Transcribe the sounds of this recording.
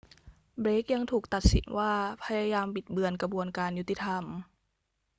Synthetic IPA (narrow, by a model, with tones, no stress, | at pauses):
bɾeː˦˥k̚ja˧ŋt̪ʰuː˨˩k̚t̪a˨˩t̪̚sḭ˨˩˦nwaː˥˩pʰa˧jaː˧jaː˧mpi˨˩t̪̚bɯ˧ənka˧bu˧ənkaː˧nju˦˥t̪ːi˧t̪ʰa˧m